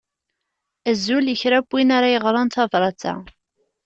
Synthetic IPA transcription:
æzːuljəçɾæbːinaɾajəʁɾˤɑnt̪ɑvɾˤɑt͡sːa̰

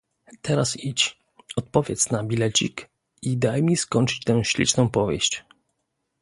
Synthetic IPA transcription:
t̪ʰɛɾasit͡ɕ | ɔt̪̚pɔvʲjɛt̪snabʲilɛt͡ɕḭk | id̪ajmʲiskɔnt͡ʂɘ̥t͡ɕt̪ɛw̃ɕlʲḭt͡ʂnɔ̃w̃pɔvʲjḛɕt͡ɕ

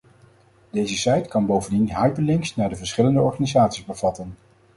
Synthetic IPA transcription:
d̥ejzəsɛjtkɑnbowvəndinɦɑjpəlɪŋksnaːɹdəvəɹsχɪləndəɔɹχanizaːtsizbəv̥ɑtən

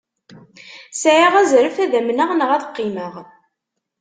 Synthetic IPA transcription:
sʕiʁæzɾəfæðæmnəʁnəʁæθə̥qːiməʁ

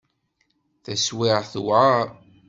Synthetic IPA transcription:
θæswɪʁθwʕa

